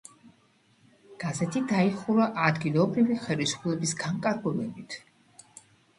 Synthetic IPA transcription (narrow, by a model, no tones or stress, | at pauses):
ɡ̥azɛt̪ʰid̪aiχuɾaʔad̪ɡilˠɔbɾiviχɛlisu̥pʰlɛbisɡ̥aŋkʼaɾɡulɛbit̪ʰ